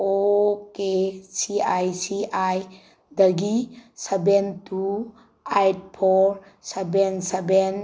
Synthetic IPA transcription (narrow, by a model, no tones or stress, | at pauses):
okesiajsiʔaj | dɐɡisebentu | ajt̚pʰɔɾ | sebenseben